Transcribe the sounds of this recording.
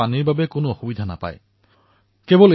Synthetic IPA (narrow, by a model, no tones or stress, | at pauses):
aniɹbabɛkʊnoɔxubidʱana̰pa̰j | kebɔl